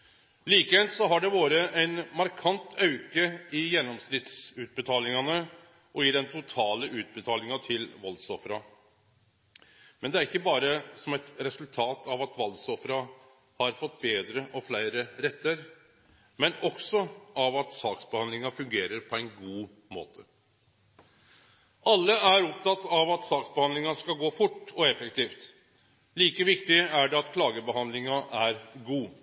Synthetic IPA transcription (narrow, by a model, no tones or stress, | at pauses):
liːkəʋɛlt̪sɔɦɑɖɛʋoːɾəʔæɪnmɑɾkʰɑnt̪ʰɑʉkəɪjɛnːɔmsnɪt̪sʉːt̪̚bət̪ʰɑːlɪŋɑnə | ʔɔiːd̪ɛnt̪ʰʊt̪ʰɑːləʔʉːt̪̚bət̪ʰɑːlɪŋɑt̪ʰɪlʋɔlsɔfɾɑ | mɛnd̪ɛæɾɪçːəbɑːɾəsɔmɛt̪ɾɛsʉlt̪ʰɑːt̪ɑʋɑt̪ʋɑlsɔfɾɑ | hɑɾfɔt̪ːbeːd̪ɾəʔɔflæɪɾəɾɛt̪ːəɾ | mɛnɔksɔɑʋɑt̪sɑːksbəhɑnlɪŋɑfʉŋɡeːɾəɾpʰɔæɛɪnɡuː | mo̰ːt̪ʰə | ɑlːəæɾɔp̚t̪ʰɑt̪ːɑʋɑt̪sɑːksbəhɑnd̪lɪŋɑskɑlɡoːfʊʈːɔɛfəkt̪iːft̪ | liːkəʋɪkt̪ɪæɖɛɑt̪kʰlɑːɡəbəhɑnd̪lɪŋɑʔæɾɡuː